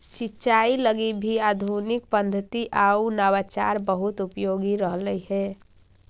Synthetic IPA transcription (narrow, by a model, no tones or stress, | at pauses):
sitːt͡ʃailəɡibʱiad̪ʱunik̚pənd̪ʱət̪iʔaunawat͡ʃa̰ɾbəɦut̪upjoɡiɾəɦləiɦɛ